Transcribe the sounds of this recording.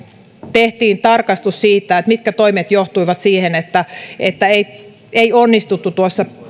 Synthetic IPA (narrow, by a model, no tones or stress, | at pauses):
t̪eht̪iːnt̪ɑrkɑst̪ussiːt̪ːˑæet̪mit̪̚kæt̪oimet̪joht̪uiʋɑt̪siːhenet̪ːæet̪ːæei | eionːist̪ut̪ːut̪uosːɑ